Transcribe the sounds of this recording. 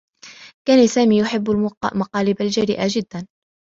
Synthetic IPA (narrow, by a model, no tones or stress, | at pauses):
kaːnasaːmiːjʊħɪbːalmɑqɑːlɪbald͡ʒaɾɪ̰ʔad͡ʒɪd̪ːan